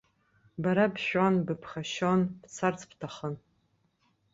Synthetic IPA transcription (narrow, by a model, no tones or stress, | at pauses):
baɾabʃᶣanbɨpʰχaʃonbt͡sʰart͡sʰpʰtʰaχən